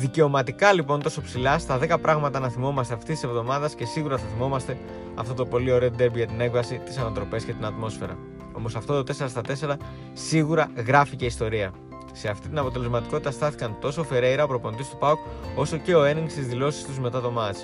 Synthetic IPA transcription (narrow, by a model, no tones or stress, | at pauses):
ðice̞o̞mɐt̪ikɐlipo̞nt̪o̞so̞psilɐst̪ɐðe̞kɐpɾɐɣmɐt̪ɐnɐθimo̞mɐst̪e̞ɐft̪isi̥sevðo̞mɐðɐsce̞siɣuɾɐθɐθimo̞mɐst̪e̞ | ɐft̪o̞t̪o̞po̞lio̞ɾe̞od̪e̞biʝɐt̪ine̞kvɐsit̪isɐnɐt̪ɾo̞pe̞sce̞t̪inɐt̪mo̞sfe̞ɾɐ̰ | o̞mo̞sɐft̪ot̪o̞t̪e̞se̞ɾɐst̪ɐt̪e̞seɾɐ | siɣuɾɐɣɾɐfice̞ist̪o̞ɾiɐ | se̞ɐft̪it̪inɐpo̞t̪e̞lezmɐt̪i̥ko̞t̪it̪ɐst̪ɐθi̥kɐnt̪o̞so̞fe̞ɾeiɾɐopɾo̞po̞nd̪ist̪u̥pɐoko̞so̞ce̞o̞e̞niŋɡst̪izðilo̞si̥st̪uzme̞t̪ɐt̪omɐt͡s